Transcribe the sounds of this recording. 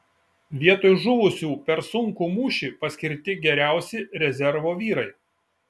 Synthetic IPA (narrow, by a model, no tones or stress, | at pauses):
ʋʲiɛt̪oːjʒʊʋʊsʲuːpʲɛɾsʊŋkuːmuːʃʲiːpɐsʲkʲɪɾʲt̪ʲɪɡʲɛɾʲæˑʊsʲɪɾʲɛzʲɛɾʋoːʋʲiːɾɐɪ